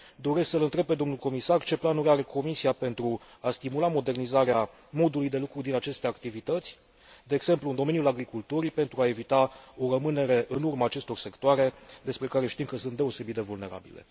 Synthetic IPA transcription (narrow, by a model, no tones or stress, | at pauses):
d̪o̞ɾe̞sksəlɨnt̪ɾe̞b̚ped̪o̞mnulko̞misart͡ʃe̞planuɾʲaɾe̞kʰo̞misiape̞nt̪ɾu | ast̪imulamo̞d̪e̞rnizaɾea | mo̞d̪ulujd̪e̞lukɾud̪inat͡ʃe̞st̪e̞akt̪ivit̪ət̪sʲ | d̪eːɡz̥e̞mpluːnd̪o̞me̞nijulaɡɾikult̪uɾipe̞nt̪ɾuae̞vit̪ao̞rəmɨne̞ɾe̞ʔɨnurmaːt͡ʃe̞st̪o̞rse̞kt̪oaɾe̞d̪e̞spɾe̞kaɾe̞ʃt̪imkəsɨnt̪d̪e̞o̞se̞bit̪d̪e̞vulne̞ɾa̰bḭle̞̰